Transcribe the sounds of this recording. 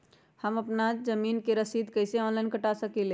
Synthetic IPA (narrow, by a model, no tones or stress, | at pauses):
həməpnad͡ʒəminkeɾəsid̪kəjseɔ̃nlainkəʈasəkile